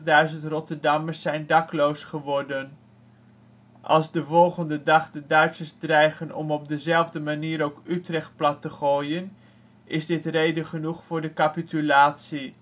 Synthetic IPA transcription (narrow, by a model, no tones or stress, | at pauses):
dœɥzəntrɔtəɹdɑməsːɛjndɑklowsχəʋɔɹdən | ʔɑ̰lˠzdəvɔlˠχəndədɑχdədœɥtsəzdrɛjχənɔ̰mɔb̚dəzɛlˠvdəmaniːɾowkytrɛχt̚plɑtəχoːjən | ʔɪzdɪtrejdəχənuχfʊːɹdəkapitylaːtsi